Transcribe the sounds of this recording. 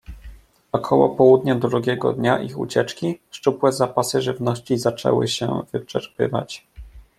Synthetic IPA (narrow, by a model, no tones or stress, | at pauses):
ɔkʰɔwɔ̰pɔwud̪ɲad̪ɾuɡʲɛɡɔ̰d̪ɲaʔixṵt͡ɕɛt͡ʂkʲiʂt͡ʂupwɛzapasɘʐɘvnɔɕt͡ɕizat͡ʂɛ̰wɘ̰ɕɛ̰vɘt͡ʂɛɾpɘ̰va̰t͡ɕ